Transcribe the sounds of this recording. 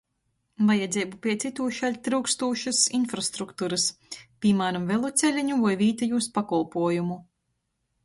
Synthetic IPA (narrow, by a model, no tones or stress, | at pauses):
vajad̪zʲɛːbupʲiɛt̪sit̪uːʃalʲt̪ɾuːkst̪uːʃɨsinfɾast̪ɾukt̪uɾɨspʲimaːɾamvɛlˠut̪sʲɛlʲiɲuvajvʲiːt̪ajuːspakɔlˠpuɔjumu